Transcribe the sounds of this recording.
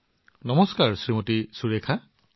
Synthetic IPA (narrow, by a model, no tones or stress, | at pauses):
nɔmɔskaɹsɹimotisuɹekʰa